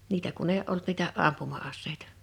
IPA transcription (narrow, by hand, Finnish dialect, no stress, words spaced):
niːtæ kun eˑi ʔolt niːtæ ʔɑmpumɑɑsːeitɑ̥